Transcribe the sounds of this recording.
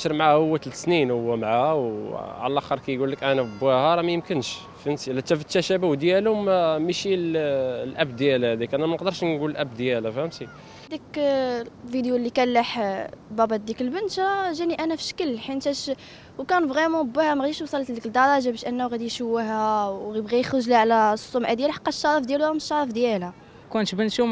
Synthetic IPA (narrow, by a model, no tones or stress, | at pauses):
ʃɾmʕahʊwːæt̪lsninhʊwːæmʕawʕa̰lælʔæxəɾˤkæjɡulːəkʔænæbːæhɑɾˤɑmæjəmkənʃ | finslːæt̪ːæfət̪ːæʃæbæwd̪jælʊmmiʃillʔæbd̪jælhæd̪ikʔænæmænəqd̪əɾˤʃnɡuləlʔæbd̪jælæfhæmsi | d̪ik | fid̪julːikælːaħbæbɑd̪ikəlbənʃæʒæniʔænæfiʃkəlːħint̪æʃ | wkænfɣimɑbəhæmæɣæd̪iʃwsˤɑlːt̪d̪ikəld̪ɑɾˤɑʒabæʃʔænːæwɣæd̪ijʃəwːəɦæwɣbɣæjxɾəʒliʕlæsˤːʊmʕad̪jælħɑ̥qːɑʃɑɾˤəfd̪jælwæmʃɑɾˤəfd̪jælæ | kunʃbənʃu